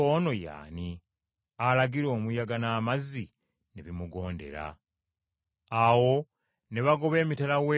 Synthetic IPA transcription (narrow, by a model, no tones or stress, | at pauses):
ono̞ja̰ːni | alaɡiɾo̞ːmujaɡanaːmazːi | neβimuɡo̞ːnde̞̰ɾa̰ | awo̞ | ne̞βaɡo̞βe̞ːmitelawe